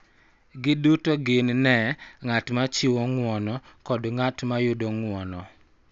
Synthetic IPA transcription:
ɡɪdutoɡɪnnɛŋatmat͡ʃɪwɔŋwɔnɔkɔdŋatmajʊdɔŋwɔnɔ

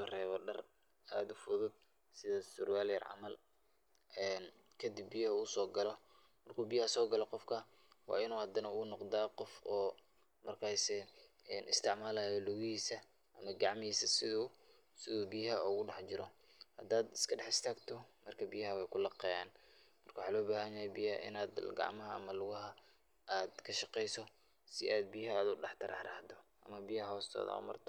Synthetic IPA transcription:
ʊrɛːβɔɖɐr | aːd̪ʊfʊðʊd̪̚ | sɪðɐsʊrwaːljɛ̰rʕɑ̰mɐl | ɛːn | kʰɐd̪ɪbːijhɐuːʊsɔːɡɐlɔ | mɐrkʰuːbijhɐsɔːɡɐlɔqɔfkʰɐ | wɑ̰ːɪnuːhɐd̪ɐnɐnɔqd̪aːqɔfɔː | mɐrkʰaːsɛ | ɛːnʔɪ̰st̪ʰɪʕmaːlaːjɔlʊɣɪhiːsɐ | ʔɐmɐɡɑʕmɪiːsɐsɪðu | sɪðuːbijɦɐɔɣʊɖɑħt͡ʃɪɾɔ | hɐd̪aːd̪ɪ̥skʰɐɖɛħɪst̪ʰaːɡt̪ʰɔmɐrkʰɐbijɐɦɐwɛjkʰʊlɑqɛːjaːnmɐrkʰɐwʊħaːlɔːbaːɦɐɲajɛbijɐʔɪ̰naːd̪ɡɑ̰ʕmɐɦɐ̰ːmɐlʊɣɐɦɐ | ʔaːd̪kʰɐʃɑqɛjsɔ | sɪʔaːd̪̚bijɐɦaːd̪ʊɖɑħt̪ʰɐɾɑ̰ħɾɐ̰hd̪ɔʔɐ̰mɐbijɐhhɔːst̪ʰɔ̰ːðɐ̰ʊ̰mɐ̰rt̪ʰɔ

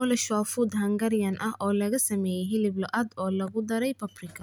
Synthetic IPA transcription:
ɔlɛʃaːfud̪hɐŋɡɐɾjɐnʔɐhʔɔːlɐɣɐsɐmɛːjɛɦɪlɪblɔʔɐd̪ɔːlɐɣʊd̪ɐɾɛjpʰɐbrɪkʰɐ

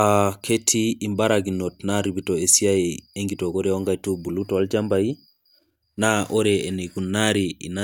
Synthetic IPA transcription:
akʰetʰiːmbaɾaɡinotnaɾibitoesiaieŋɡitokoɾɛoŋɡajtubulutoald͡ʒambai | naʔoɾeeniɡunːaɾiḭna

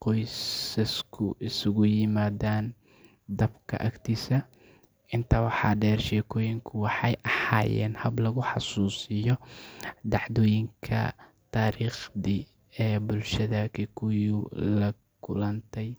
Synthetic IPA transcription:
qɔjsɐskʰʊʔɪsʊɣʊjɪmaːðaːn | d̪ɐbkʰɐ̰ʔɐkt̪ʰiːsɐ | ʔɪnt̪ʰɐwɑħɑ̰ːɖɛːrʃɛːkʰɔːjɪŋkʰʊwɑħɑjʔɐha̰ːjɛ̰ːnhɐblɐɣʊħɑsuːsɪjɔ | d̪ɑʕd̪ɔːjɪŋkʰɐ̰t̪ʰaːɾiːχði | ɛːbʊlʃɐðɐkʰɛkʰʊjʊlɐ | kʰʊlɐnt̪ʰɛj

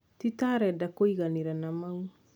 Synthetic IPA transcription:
t̪it̪aɾɛdakoiɣaniɾanamau

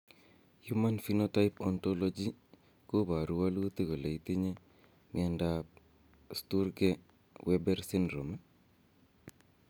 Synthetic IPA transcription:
jumanfinotajpɔntolod͡ʒi | kobaɾuwalut̪iɡoleit̪iɲe | mḭanda | stuɾɡe | wɛbɛɾsɪnɾoma

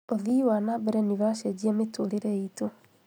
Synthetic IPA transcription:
oðiwanabɛɾɛniβaʃɛd͡ʑiametoleɾeito

